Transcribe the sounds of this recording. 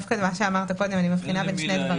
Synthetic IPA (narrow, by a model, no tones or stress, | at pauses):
fkad̪maʃeamaʁt̪akod̪emanimafχinabenʃned̪va